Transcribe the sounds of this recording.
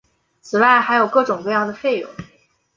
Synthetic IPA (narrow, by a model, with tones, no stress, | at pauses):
t͡sʰɹ̩˨˩wa˥˩ɪxa˧˥ɪjo˨˩ʊkɤ˥˩ʈ͡ʂʊ˨˩ŋkɤ˥˧jɑ˥˩ŋd̪ə˩fe˥˩ɪjʊ̰˧˩˦